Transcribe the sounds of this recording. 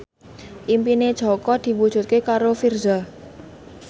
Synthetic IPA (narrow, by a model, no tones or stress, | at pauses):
ʔimpined̥ʒ̥ɔ̤kɔd̪̥i̤wud̥ʒ̥ṳt̪̚kekaɾofirza